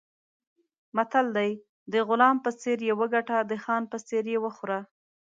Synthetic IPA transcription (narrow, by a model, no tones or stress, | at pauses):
mat̪ald̪aj | d̪əɣʊlɑmpəseɾjewəɡaʈad̪əxɑnpət͡seɾjewəxʊɾa